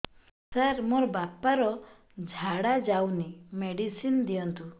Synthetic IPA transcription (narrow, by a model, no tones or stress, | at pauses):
saɾmoɾɔbapaɾɔ | d͡ʒʱaɽad͡ʒawnimeɽisind̪ijɔnt̪u